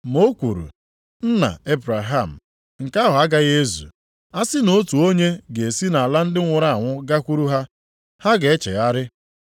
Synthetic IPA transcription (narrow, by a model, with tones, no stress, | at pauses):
mo˦kʷu˨ɾṵ˨ | n̩˦na̰˨e˦bɾa˨ɦa˦˨m̩˨ | ŋ̩˨ka˦ɦʊ˨a˦ɡa˦ɣe˦zṵ˨ | a˦sɪ˦no˦tu˨o˦ɲe˦ɡe˨si˦na˨a˨la˦n̩˦dɪ˦ŋʷʊ˨ɾa˦˨a˨ŋʷʊ˦ɡa˦kʷu˦ɾu˦ɦa˦ | ha˦ɡe˨e˦t͡ʃḛ˨ɣa˦ɾɪ˦